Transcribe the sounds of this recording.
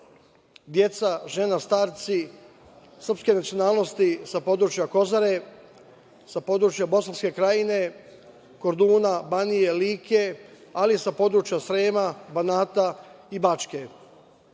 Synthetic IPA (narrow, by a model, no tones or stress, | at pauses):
d̪je̞t̪saʒe̞nast̪aːɾt̪si | sr̩pske̞nat̪sionaːlˠno̞st̪isapo̞d̪ɾuːt͡ʃjako̞zaɾe̞ | sapo̞d̪ɾut͡ʃjabo̞sanske̞kɾajine̞ | ko̞ɾd̪uːnabanije̞liːkʰealisapo̞d̪ɾut͡ʃjasɾe̞ːmabanaːt̪aibat͡ʃke̞